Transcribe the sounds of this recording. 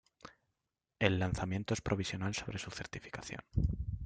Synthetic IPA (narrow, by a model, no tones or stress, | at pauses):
e̞lːanθamjẽ̞nt̪oe̞spɾʔo̞β̞isjo̞nalso̞βɾe̞suθe̞ɾt̪ifi̥kaθjo̰n